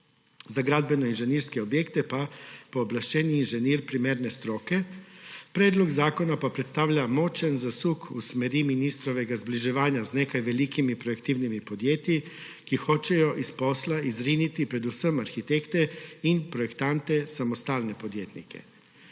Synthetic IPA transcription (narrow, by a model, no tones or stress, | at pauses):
zaɡɾad̪̚benoinʒeniɾskeobjekt̪epapoːblaʃt͡ʃeːnjiːnʒeniːɾpɾimeɾnest̪ɾoːkepɾeːd̪loɡzaːko̞napapɾet̪st̪aːʋʎamot͡ʃɛnzasukusmeɾiminist̪ɾoʋeɡazbliʒeʋaːɲaznekajʋelikimipɾojekt̪iwnimipo̞d̪jeːt̪i | kixo̞t͡ʃɛjoʔispo̞slaizɾinit̪ipɾe̞d̪usəmaɾxit̪ekt̪einpɾojekt̪ant̪esamost̪aːlnepod̪jeːt̪nḭkḛ